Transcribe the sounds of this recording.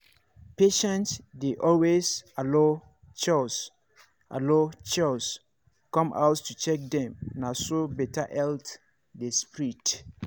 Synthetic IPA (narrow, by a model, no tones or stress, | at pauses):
peʃɛ̃ntsdeʔɔlwezalo | t͡ʃɔs | ʔa̰lot͡ʃɔs | kɔ̃mʔa̰ʊttut͡ʃɛk̚dɛ̃mnasobɛtaʔɛlt | despɹit